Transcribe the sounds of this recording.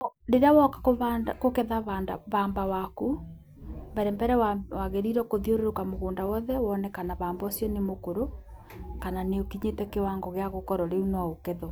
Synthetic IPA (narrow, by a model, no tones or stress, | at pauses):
ɾeɾeawɔkḁkoβaakokɛðaβanda̰βaːmbawaku | mbɛɾɛmbɛɾɛwawaɣeɾiɾɔkoðioɾoɾokamoɣoːndawɔðɛwɔnɛkanaβaːmbaosjɔnemokoɾo | kananeokiɲetɛkewaŋɡɔɣeaɣokɔɾɔɾeunɔokɛðɔ